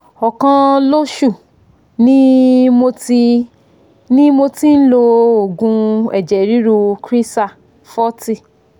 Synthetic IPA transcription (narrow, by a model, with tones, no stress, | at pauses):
ɔ˨kã˧lo˦ʃu˦˨ | nĩ˦mo˧ti˧ | nĩ˦mo˧ti˦n̩˦lo˧o˨ɡũ˧ɛ˨d͡ʒɛ˨ɾi˨˦ɾu˧kɾi˦sa˦˨ | fɔ˦ti˦˨